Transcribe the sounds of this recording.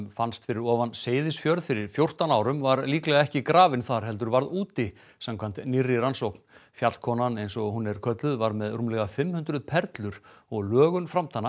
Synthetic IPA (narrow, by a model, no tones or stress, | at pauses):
mfanst̪fɪɾɪɾɔːvanseːjðɪsfjœɾðfɪɾɪɾ̥fjowr̥t̪anaːwɾʏmvaɾliːklɛɣaɛhcɪkɾaːvɪnθaɾ̥ɦɛlt̪̬ʏɾvaɾðuːt̪ɪ | samkʰvan̥t̪nɪrːɪɾansowk̚nfjat̪kʰɔːnanejnsɔhunːɛɾ̥kʰœt̪lʏðvaɾmɛðrumlɛɣafɪmːhʏnt̪ɾʏðpʰɛɾt̪lʏɾ̥ɔɣlœːɣʏnfɾamt̪ʰanːa